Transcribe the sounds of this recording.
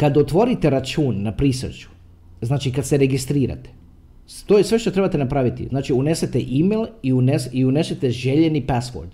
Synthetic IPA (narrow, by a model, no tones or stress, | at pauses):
kad̪ot̪ʋo̞ɾit̪e̞ɾat͡ʃuːnːapɾisr̩t͡ʃu̥ | znaːt͡ʃikad̪seɾe̞ɡist̪ɾiːɾa̰t̪e̥ | t̪oːjesʋe̞ʃt̪ot̪ɾe̞bat̪e̞napɾaʋit̪ḭznaːt͡ʃiune̞set̪eʔimelˠiunesiune̞set̪e̞ʒe̞ʎenipasʋo̰ɾd̪